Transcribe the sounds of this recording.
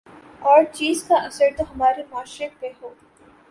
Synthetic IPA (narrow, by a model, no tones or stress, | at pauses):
ɔːɾt͡ʃiːzkaʔɐsəɾt̪oɦɐmaːɾemaːʃek̚peɦoː